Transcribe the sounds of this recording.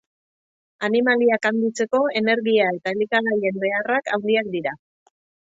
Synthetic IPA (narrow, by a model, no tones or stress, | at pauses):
animaliakand̪it͡se̞ko̞e̞ne̞ɾɣiae̞t̪aelikaɣaje̞mbe̞araka̰wnd̪iak̚d̪iɾa